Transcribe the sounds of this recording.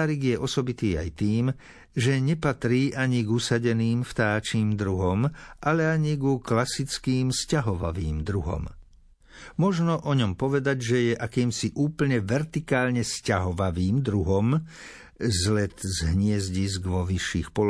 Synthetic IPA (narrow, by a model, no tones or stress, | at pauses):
ɾiɡjɛʔɔsɔbit̪iːa̰jt̪iːm | ʒɛɲɛpat̪ɾiːʔaɲiɡusaɟɛniːmft̪aːt͡ʃiːmd̪ɾuɦɔmʔalɛaɲiɡuklasit͡skiːmscaɦɔʋa̰ʋiːmd̪ɾuɦɔ̰m | mɔʒnɔʔɔɲɔmpɔʋɛd̪aɟʒɛjɛʔakiːmsiʔuːpl̩ɲɛʋɛɾt̪ikaːlɲɛscaɦɔʋaʋiːmd̪ɾuɦɔm | zlɛt̪zɦɲɪɛzɟizɡʋɔʋiʃːiːxpɔl